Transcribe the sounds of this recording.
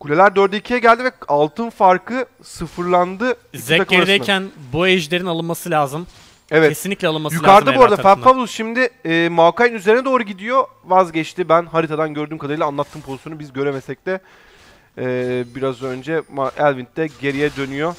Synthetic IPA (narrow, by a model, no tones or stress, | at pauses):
kʰulʲelʲæɾd̪øɾd̪ɛicʰijɛɟælʲd̪ivɛalˠt̪ʰɯnfaɾkɯ | sɯfɯɾlˠand̪ɯ | zeakɾd̪ejncʰænbuɛʒlʲe̞ɾinalˠɯnmasɯlʲaːzɯm | evɛtʰesinlʲiclʲɛalˠɯnmasjukaɾd̪ɯbuoɾad̪afæɾfablˠusʃimd̪ɪːmaːkajinyze̞ɾinɛd̪o̞ːɾuɟid̪ijo̞ | vazɟɛt͡ʃt̪ibænhaɾit̪ʰad̪anɟø̞ɾd̪yːmkad̪aɾɯjlˠanlˠat̪ʰːɯːmpʰo̞zisjonubizɟø̞ɾemesɛc̚d̪ɛ | ɛːbiɾazø̞nd͡ʒɛmaʔælʲvint̪ːɛɟe̞ɾijɛd̪ø̞nyjo̞